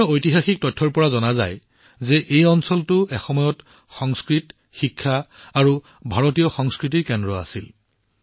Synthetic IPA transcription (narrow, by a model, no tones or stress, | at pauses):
ojtiɦaxik̚tɔtʰːɔɹpɔɹazɔnaza̰j | zɛʔejɔnsɔltʊɛxɔmɔjɔt | xɔŋskɹit | xikʰːaːɹu | bʱaɹotijɔxɔŋskɹit̬ikɛndɹɔa̰sil